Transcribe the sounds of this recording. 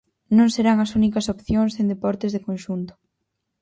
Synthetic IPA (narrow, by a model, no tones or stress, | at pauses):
nõŋseɾaŋɐsunikɐsopθjoŋsẽnd̪epɔɾt̪ɪzðekõnʃunt̪ʊ̥